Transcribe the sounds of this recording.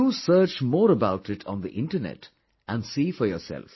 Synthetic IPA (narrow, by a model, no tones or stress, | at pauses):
usəːt͡ʃmɔːɾəbaʊʈɪʈʰɔ̃nd̪ḭʔɪ̃nʈənɛ̰ʈ | ʔæ̃nɖsiːfɔɾjɔ̰ːsɛ̰lf